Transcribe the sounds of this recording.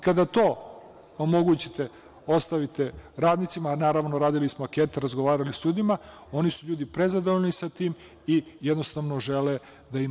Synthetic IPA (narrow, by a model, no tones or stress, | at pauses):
kad̪at̪o̞ː | omo̞ɡuːt͡ɕit̪e̞ | o̞st̪aʋit̪eɾaːd̪nit̪simanaːɾaʋnoɾaːd̪ilismoakeːt̪eɾazɡoʋaːɾalisʎuːd̪ima | o̞nisuʎuːd̪ipɾe̞zad̪oʋoʎnisat̪iːm | ijed̪no̞st̪aʋnoʒele | d̪aim